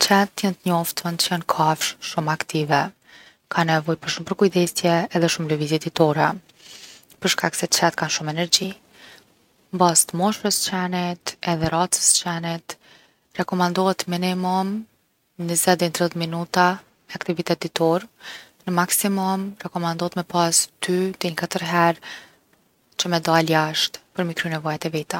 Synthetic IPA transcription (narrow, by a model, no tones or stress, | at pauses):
t͡ɕɛt̪ːjant̪əɲɔft̪ənt̪t͡ʃənkʰafʃʃumakt̪ivɛ | kʰanɛvɔjpəɾʃumpəɾkujd̪ɛsjɛːðɛʃumlɛvizid̪it̪ɔɾɛ | pəɾʃkaksɛt͡ʃɛt̪̚kanʃumɛnɛɾd͡ʑi | mbast̪mɔʃɾəst͡ɕɛnit̪ɛðɛɾat͡sə̥st͡ɕɛnit̪ | rɛkɔmand̪ɔɛt̪minimum | nəzɛd̪ɛnt̪ɾɛtminut̪a | mɛakt̪ivit̪ɛt̪̚d̪it̪ɔɾ | nəmaksimumrɛkɔmand̪ɔɛt̪mɛpast̪yt̪ɛɲəkat̪əɾɦɛɾ | t͡ɕəmɛd̪aaljaʃt̪pəɾmikɾynɛvɔjat̪ɛvit̪a